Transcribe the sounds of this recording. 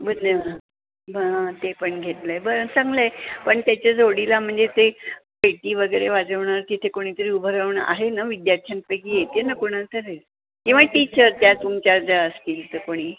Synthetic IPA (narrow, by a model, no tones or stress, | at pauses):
bəd̪nə | bəɦãt̪epəɳɡʱet̪ləjbəɾət͡sãŋɡləepəɳt̪jat͡ɕad͡zoɽilam̤əɳd͡zet̪epeʈiːʋəɡəjɭeʋad͡zəʋɳaɾt̪it̪ʰekoɽ̃it̪əɾiːubʱəɾəʋɳʔa̰ɦenaʋid̪jaɾt̪ʰjãn̚pəkiːjet̪jenakoɽ̃at̪əɾe | kĩw̃ʋaʈit͡ɕəɾt̪jat̪umt͡ɕad͡zaəskiːlt̪əkoɽ̃iː